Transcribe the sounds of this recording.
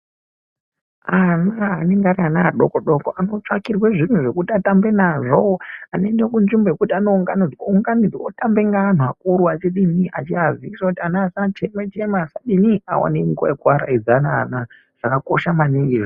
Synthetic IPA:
anaaɦaneŋɡaɾianaɗokoɗokoano̞t͡ʂakirweʐin̤uʐe̞kutiatambe̞naʐoanoendekund͡ʒimboekutianouŋɡanid͡zwouŋɡanid͡zwaotambeŋɡaːn̤ak̚uɾuat͡ʃiɗiniʔat͡ʃiaziisokutianaːsat͡ʃemwet͡ʃemaːsaɗinia̰wa̰nemiko̰ekwaɾa̰id͡zanana | ʐ̥akako̞ʃamaniŋɡiʐo

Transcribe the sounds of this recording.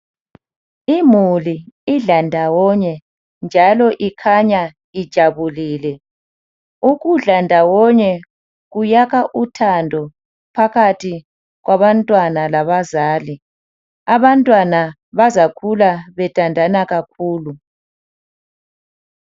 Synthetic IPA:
imuliiɮandʱawɔɲɛ | nd͡ʒʱalɔʔikʰaɲa | id̥ʒ̥ʱaβuliːlɛ | uɣuɮandʱawɔɲɛ | ɣujaɣaʔutʰandʱɔ | pʰaɣatʰi | ɣwaβantʼwanalaβazaːli | aβantʼwana | βazakʰulaβɛtʼandʱanaɣakʰuːlu

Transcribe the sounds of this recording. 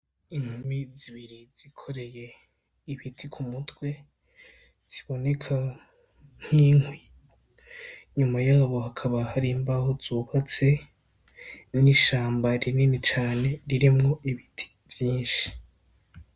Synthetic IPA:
iŋhumiziβiɾiz̥ikʰo̞ɾe̞je̞ | iβitʰikʰumutwe̞ | z̥iβo̞ne̞kʰa | ŋ̥hiːŋwi | ɲumajaːβo̞ɦakʰaβahaɾimbaɦozuːβat͡se̞ | niʃaːmbaɾininit͡ʃaːne̞ɾiɾimŋo̞ʔiβitʰi̥ | vjiːnʃi̥

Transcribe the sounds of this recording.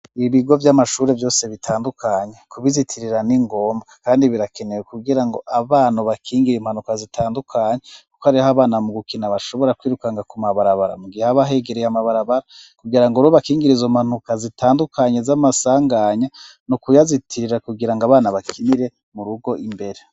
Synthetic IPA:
iβiɡo̞vjamaʃuːɾe̞vjo̞ːse̞βitʰaːndukʰaːɲe̞kuβizitʰiɾiɾaniŋɡo̞ːmbɡakaːndiβiɾake̞nejekuɡiɾaŋɡo̞ʔaβaːnuβakʰiːŋɡiɾimhanukazitʰaːndukʰaːɲeku̥kohaɾiaβaːnamuɡukinaβaʃo̞βo̞ɾakwiːɾukaŋɡakumaβaɾaβaɾa̰muɡiheaβaɦe̞ɡeɾejamaβaɾaβaɾakuɡiɾaŋɡoɾoβakiːŋɡiɾizo̞mhan̥ukazitaːndukʰaɲe̞zamasaːŋɡaːɲa | nukujazitʰiɾiɾakuɡiɾaŋɡaβaːnaβakʰiniɾe̞ | muɾuɡo̞ʔimbe̞ɾe

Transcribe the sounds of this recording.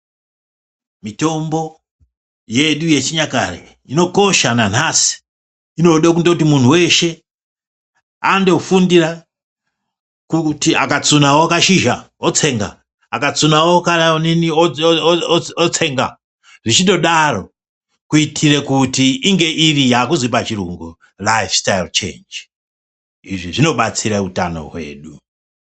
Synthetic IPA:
mito̞mbo̞ | je̞ɗuje̞t͡ʃiɲaka̰rḛ | ino̞ko̞ʃanan̤asi̥ | ino̞ɗakundokutimun̤uwe̞ʃe̞ | a̰ndo̞fundira | kutia̰kat͡sunawoakaʃiʒa | ot͡se̞ːŋɡa̰ | akat͡sunawokananinioooot͡se̞ŋɡa̰ | ʐit͡ʃinto̞ɗaro̞̰ | kuitʰirekutiʔiŋɡe̞ʔirijaːkuzwipat͡ʃirṵŋɡu | lajfstajlt͡ʃḛːnd͡ʒ | iʐiʐino̞ɓat͡siɾauta̰no̞̰ɦwḛːɗu

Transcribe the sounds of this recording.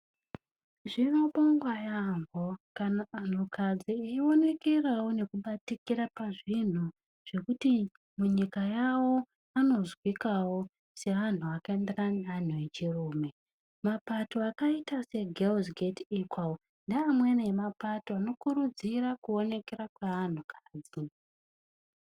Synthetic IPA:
ʐinoɓoŋɡwajamvokanaːn̤ukʰad͡zieio̞ne̞ke̞rawo̞ne̞kuɓatikiɾapaʐin̤u | ʐ̥e̞kuti | muɲikajawo̞ | ano̞zwikawo̞ | se̞ʋan̤uakaenderanan̤uet͡ʃiruːme̞ | mapato̞akaitase̞ɡʱelzɡetikwa | ndiːmwenaemapatoano̞kuɾud͡zirakuo̞ne̞ke̞ɾakwaːn̤ukaːd͡zi

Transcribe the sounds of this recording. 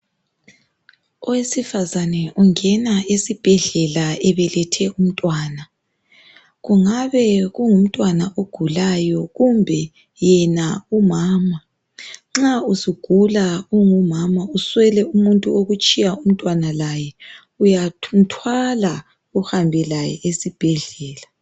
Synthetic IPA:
ɔwesifazanɛʔuŋɛnaisib̥ʱɛɮɛlaɛβɛlɛtʰɛʔum̩tʼwaːna | ɣuŋaβɛɣuŋum̩tʼwanaʔoɡ̥ʱulajɔɣumbʱɛ | jɛnaumaːma | ŋ͡ǁausiɡ̥ʱulauŋumamauswɛlɛumuntʼuoɣut͡ʃʼijaum̩tʼwanalajɛ | ujam̩tʰwala | uhambʱɛlajɛ̰ʔesib̥ʱɛɮɛːla

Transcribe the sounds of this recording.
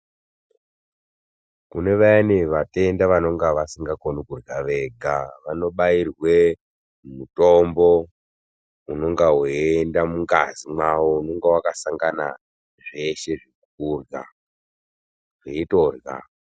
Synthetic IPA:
kune̞ʋajaniʋate̞ndaʋano̞ŋɡaʋasiŋɡakonikuraʋe̞ɡʱaʋano̞ɓairwe̞ | mutombo̞ | uno̞ŋɡaɦoendamuŋɡa̰zimwawouno̞ŋɡawakasaŋɡana̰ | ʐe̞ʃe̞ʐikukurɡa̰ | ʐeito̞rɣa̰

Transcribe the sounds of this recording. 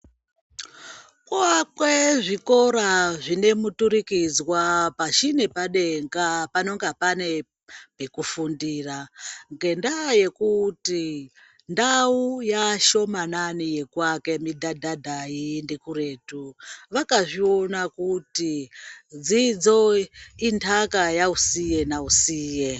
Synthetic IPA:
kakweʐiko̞ɾaʐine̞mutuɾikid͡zwapaʃine̞paɗe̞ŋɡapano̞ŋɡapane̞ | pekufundiːraŋɡe̞ndaje̞kuti | ndaujaʃo̞mananije̞kwake̞midʱadʱadʱajindikure̞ːtuʋakaʐio̞nakutid͡zid͡zo̞intʰakajausije̞nausiːje

